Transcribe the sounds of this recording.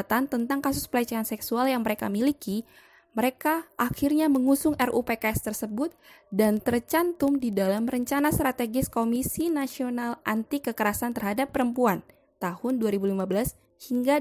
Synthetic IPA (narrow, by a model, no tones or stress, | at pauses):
t̪ant̪ənt̪aŋkasʊspəlat͡ʃaansɛksualjaŋməɾeka̰miliki | məɾekaʔaxirɲaməŋusʊŋɛrupekast̪ərsəbʊt̪̚dant̪ərt͡ʃant̪ʊmdidalamrəɲt͡ʃanast̪ɾat̪eɡɪskomisinasionalʔant̪ikəkəɾasant̪ərhadapːəɾəmpuan | t̪ahʊnduaɾibulimabəlas | hiŋɡa